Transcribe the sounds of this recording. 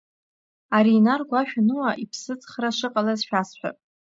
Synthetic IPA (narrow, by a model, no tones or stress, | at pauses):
aɾiːnarɡʷaʃᶣanɨwaʔipʰsɨt͡sʼχraʂɨqʼalazʃᶣasħʷᶣa̰